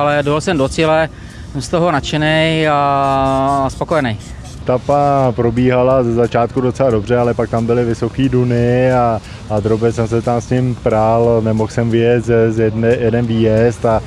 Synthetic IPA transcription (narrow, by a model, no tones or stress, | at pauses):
alɛdolsɛmdot͡silɛ | sɛmst̪oɦonat͡ʃɛnɛja | spoko̞jɛnɛj | t̪apapɾobiːɦalazɛzat͡ʃaːt̪kudo̞t̪t͡sɛlado̞br̝ɛalɛpak̚t̪ambɪlɪvɪso̞kiːdunɪa | ad̪ɾobɛsɛmsɛt̪amsɲɪmpɾalnɛmoxsɛmvɪjɛt̪zjɛdnɛjɛdɛnviːjɛst̪a